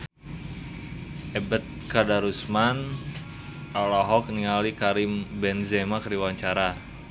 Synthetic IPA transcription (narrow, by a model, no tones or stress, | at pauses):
ɛbət̪̚kadaɾusman | alaɦɔk̚niŋalikaɾimbɛnzɛmakɾiwaɲt͡ʃaɾa